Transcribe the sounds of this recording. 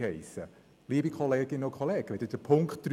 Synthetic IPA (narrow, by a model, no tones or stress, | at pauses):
ɛɪsə | liəbikʰɔleːɡ̥ɪnːəʊkʰχoleːɡ̥ʋɛdəd̥əpʰʊŋktd̥ɾ